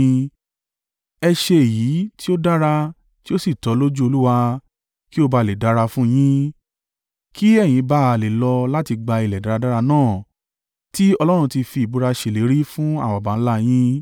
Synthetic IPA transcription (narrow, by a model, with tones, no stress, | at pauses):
ɛ˧ʃe˧e˨jiː˨˦ti˦o˦da˦ɾa˧ | ti˦o˦si˦˨tɔ˨˦lo˦d͡ʒu˦o˧lu˦wa˧ | ki˦o˦ba˧le˨da˦ɾa˧fũ˦j̃ĩ˦ | ki˦ɛ˦˨j̃ĩ˨˦ba˦˧˨le˨lɔ˧la˦ti˧ɡ͡ba˧i˨lɛ˨da˨ɾa˧da˦ɾa˧nãː˦˨ | ti˦ɔ˧lɔ˦ɾ̃ũ˧ti˧fi˧˨bu˨˧ɾa˧ʃe˨le˨˦ɾi˦fũ˦a˦˨wa˨bã˨˦la˦j̃ĩ˦